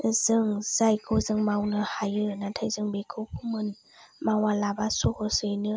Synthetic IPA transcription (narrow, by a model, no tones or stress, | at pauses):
z̥ɯŋz̥ajkʰɯwzɯŋmawnɯhajɯnatʰajzɯŋbekʰɯwpʰumɯn | mawalabasuhɔsɯjnɯ